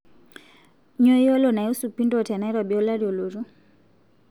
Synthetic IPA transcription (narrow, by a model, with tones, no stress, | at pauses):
ɲɔ˦i˦ɔ˦lɔ˨na˨ju˦su˨pi˦ndɔ˦˨ta˨na˨˦i˦ɾwa˨ɓiɔ˦la˦ɾjɔ˨lu˨ɾu˦